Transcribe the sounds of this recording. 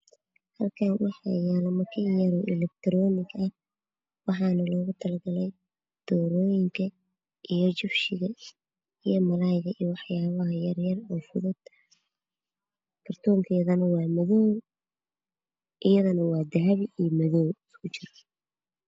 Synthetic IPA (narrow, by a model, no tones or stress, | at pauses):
hɐlkʰɐnwɑħɑ̰jɛːlɐmɐkʰɐjɐɾɔːʔɪlɛk̚t̪ʰɾɔːnɪɡɐh | wɑħɑːnɐlɔːɣʊt̪ʰɐlɐɡɐlɛj | d̪̥ɔːɾɔːjɪŋkʰɐ | ʔijɔt͡ʃɪfʃɪɣɐ | ijɔmɐlajɣɐijɔwɑħjaːβɐɦɐjɐrjɐrɔːfʊðʊd̪ | kʰɐrt̪ʰɔːŋkʰɛjɐðɐnɐwɑːmɐðɔːw | ʔɪjɐðɐnɐwɑːd̪ɐʕβɪijmɐðɔːwɪskʰʊt͡ʃɪrɐ̥